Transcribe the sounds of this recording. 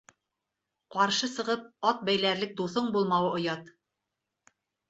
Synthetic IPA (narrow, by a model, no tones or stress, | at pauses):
qɑɾʃɤsɤ̆ʁɤp̚ɑt̪̚bæjlæɾlɘk̚d̪uθoɴbulˠmɑwɤʔŏjɑt̪